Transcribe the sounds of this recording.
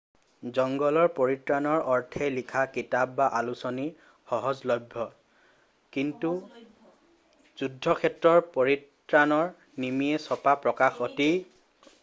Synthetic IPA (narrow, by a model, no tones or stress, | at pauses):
zɔŋɡɔlɔɹpoɹitɹanɔɹɔɹtʰɛlikʰakitab̚baʔalusɔni | xɔɦɔzlɔbʱːɔ | kintu | z̥udʱːɔkʰɛtɹɔɹpoɹit | ɹanɔɹ | nimiɛsɔpapɹɔkaxɔti